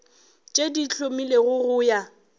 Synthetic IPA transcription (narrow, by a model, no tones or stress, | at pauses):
t͡ʃʼedit͡ɬʰomileɣʊɣʊja